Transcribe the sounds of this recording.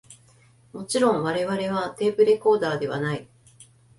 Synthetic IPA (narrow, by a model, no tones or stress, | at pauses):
mo̞t͡ɕiɾõ̞ɰ̃βaɾe̞βaɾe̞β̞at̪e̞ːbɯ̟ɾe̞ko̞ːd̪aːd̪e̞β̞a̰nai